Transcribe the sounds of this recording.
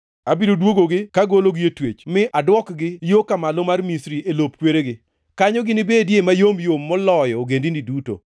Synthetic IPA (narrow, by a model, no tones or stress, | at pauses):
abidodwoɡoɡɪkaɡoloɡɪetwet͡ʃmɪʔadwɔkɡɪjokamalɔmarmisɾielopkweɾeɡɪ | kaɲɔɡɪnɪbedjemajomjomːɔlɔjɔoɡendiniduto̰